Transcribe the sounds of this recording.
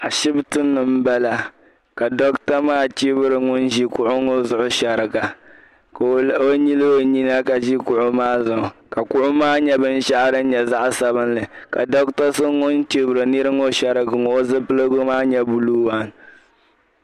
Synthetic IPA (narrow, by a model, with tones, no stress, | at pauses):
a˨ʃɪ˦btɨ˦nːɨ˨m̩˦ba˦la˨ | ka˨dɔ˦kta˦maː˦t͡ʃi˦bɨ˦ɾɨ˨ŋʊ˦n˦ʒi˦kʊ˨ʔʊ˦ŋo˦zʊ˨ʔʊ˦ʃa˨ɾɨ˨ɡa˨ | ko˦ɲi˦lɨ˦o˨ɲi˦na˦ka˨ʒi˦kʊ˨ʔʊ˦maː˦zʊ˨ʔʊ˨ka˨kʊ˦ʔʊ˦maː˦ɲɛ˦bɨ˦n̩˦ʃa˦ʔɾɨ˦ɲɛ˨za˦ʔsa˨bɨ˦n˦lɨ˨ka̰˨dɔ˦k̚ta˦sɨ˦ŋʊ˦nt͡ʃi˦bɨ˨ɾɨ˨ni˦ɾɨ˦ŋo˦ʃa˦ɾɨ˦ɡɨ˨ŋ˨o˦zɨ˦pɨ˦lɨ˦ɡo˦maː˦ɲɛ˦bu˨lu˦wa˦n